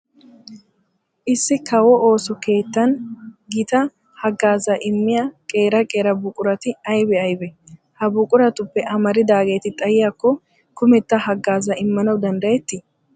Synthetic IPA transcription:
ʔɪsːɪkʰɐwɔʔo̞ːsɔke̞ːt̪ːɐnɡɪt̪ɐ | hɐɡːaːzɐʔɪmːɪjakʼeːɾɐkʼe̞ːɾɐbʊkʼʊɾɐt̪ɪɐjbɛɐjbɛ | hɐbʊkʼʊɾɐt̪ʊpːɛʔɐmɐɾɪd̪aːɡe̞ːt̪ɪt̪ʼɐjɪjakːɔ | kʊmɛt̪ːɐhɐɡːaːzɐɪmːɐnɐwd̪ɐnd̪ɐjɛt̪ːɪ

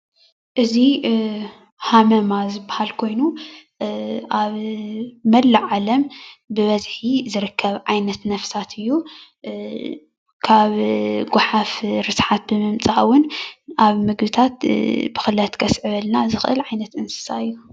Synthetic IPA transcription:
ʔɨzi | hamɐmazɨbːahalkʰo̞jnu | ʔaβ | mɐlːɨʕalɐmbɨβɐzħizɨɾɨkʰːɐβʕajnɐt̪nɐfsat̪ʰɨjːu | kʰaβɡʊħafɾɨsħat̪̚bɨmɨmt͡sʼawʊnʔaβmɨɡbɨt̪ʰat̪bɨxɨlɐt̪kʰɐsʕɨβɐlnazɨxʔɨ̰lʕajnɐt̪ɨnsɨ̥saɨjːu

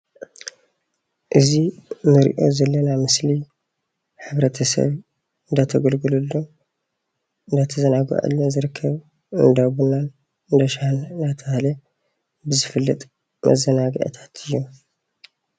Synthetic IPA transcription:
ʔɨzinɨɾḭʔo̞̰zɐlːɐnamɨsli | ħɨβɾɐt̪ʰɐsɐ̰β | ɨnd̪at̪ʰɐɡɐlɡɨlulːo | ɨnd̪at̪ʰɐzɐnaɡa̰ʔɨ̰lːozɨɾɨkʰːɐβ | ɨ̰nd̪aβunal | ɨnd̪ɐʃahlnd̪at̪ʰɐlɐ | bɨzɨfɨlːɐt̪ʼ | mʔɐ̰zɐnaɡɐ̰ʔt̪ʰḁt̪ʰɨjːo

